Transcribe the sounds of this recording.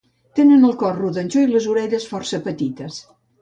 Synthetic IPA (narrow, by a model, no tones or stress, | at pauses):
t̪enənəlˠkɔrruðənʲt͡ʃoiləzuɾɛʎəsfɔrsəpət̪it̪əs